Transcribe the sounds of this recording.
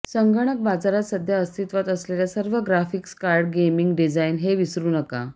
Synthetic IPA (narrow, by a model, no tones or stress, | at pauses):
səŋɡəɳ̃ək̚bad͡zaɾat̪səd̪ʱjaəst̪ʰit̪ʋat̪əsleljasəɾʋəɡɾafikskaɾɖɡemiŋɡɖid͡zainɦeʋisɾuːnəka̰